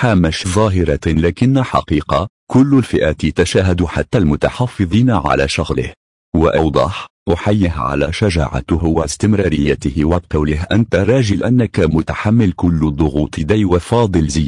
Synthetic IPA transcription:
ħaːmaʃðˤɑːɦɪɾˤɑlaːkɪnːaħɑ̰qiːqɑ | kʊlːlfɪʔaːt̪jat̪aʃaːɦad̪uħa̰t̪ːalmʊt̪aħɑfːɨðˤiːnaʕa̰la̰ːʃʊɣlɪ̰h | waʔawd̪ˤɑħʔʊħajːɪɦʕa̰la̰ːʃaʒa̰ːʕa̰hʊwast̪ɪmɾˤɑːɾɪjːat̪ɪhwab̚qɑwlɪhʔant̪aɾˤɑːʒɪlʔanːakamʊt̪aħamːɪlkʊlːd̪ˤʊɣuːt̪ˤɨd̪ajwafɑːd̪ˤɨlzɪjː

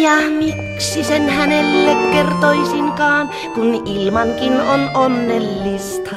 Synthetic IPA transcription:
jɑmik | sisenhænelːekkert̪oisiŋkɑːn | kunilmɑŋkinonʔonːelːist̪ɑ

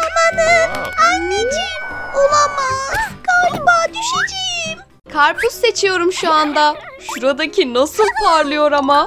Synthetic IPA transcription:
amanɯnanːed͡ʒiolˠamaɡalbaːd̪yʃed͡ʒejim | kʰaɾpusːe̞t͡ʃʰijo̞ɾumʃuand̪a | ʃuɾad̪acʰinasɯlˠpʰaɾlˠɯjo̞ɾama

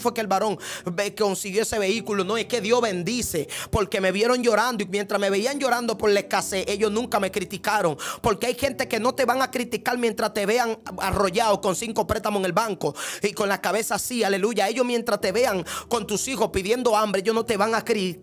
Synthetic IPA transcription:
fwekelβaɾo̞ŋeko̞nsiɣjo̞ese̞βe̞ikulonoehke̞ðjo̞zβe̞nd̪ise̞po̞ɾke̞me̞βje̞ɾo̞ŋd͡ʒo̞ɾand̪oimje̞nt̪ɾasme̞βeiaŋd͡ʒo̞ɾand̪o̞po̞ɾele̞hkase̞ʔe̞ʝo̞snũŋkame̞kɾit̪ikaɾo̞ŋpo̞ɾkeajxe̞nt̪e̞ke̞no̞t̪e̞βaŋakɾit̪ikaɾmjent̪ɾast̪e̞βe̞aŋa̰ro̞ʝaoko̞nsiŋko̞pɾe̞t̪amoeŋe̞lbaŋko̞iko̞nlahkaβe̞sasiale̞luʝaeʝo̞smjent̪ɾast̪e̞βe̞aŋko̞nt̪usixospiðje̞nd̪o̞ambɾeejonot̪e̞βaŋakɾi

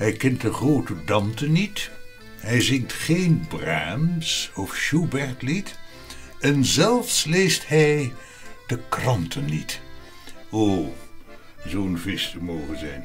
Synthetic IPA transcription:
hɛjkɛnt̚dəχroːtədɑmtənit | ɦɛjzɪŋktχeːnbraːmsɔfʃubɛɹtlit | ɛnzɛlˠfslejsthɛj | d̥əkrɑntʰənːit | oː | zoənvɪstəmoːχənzɛjn

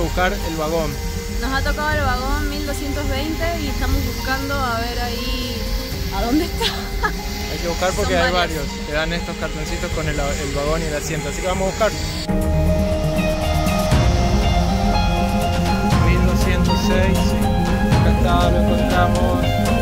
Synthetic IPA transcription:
eβuhkaɾelβaɣo̞n | no̞sat̪o̞kaðoelβaɣ̞o̞nmild̪o̞sje̞nt̪ozβejnt̪eiest̪amo̞zβuskand̪oaβeɾai | aðond̪eht̪a | ajkeβuhkaɾpoɾkeajβaɾjo̞skeðanest̪o̞skaɾt̪onsit̪osko̞neelβaɣo̞nielasjent̪oasikeamosaβuhkaɾ | mild̪osjent̪osejs | kant̪aɾeŋkont̪ɾamos

